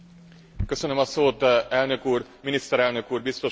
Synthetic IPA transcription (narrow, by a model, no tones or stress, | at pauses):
kø̞sø̞nømɒsoːt̪ɛlnø̞kuːrminist̪ɛɾɛlnø̞kuːrbist̪o̞